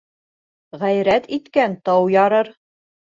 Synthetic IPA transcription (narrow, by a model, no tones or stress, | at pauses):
ʁæjɾæt̪it̪kænt̪ɑwjɑɾɤɾ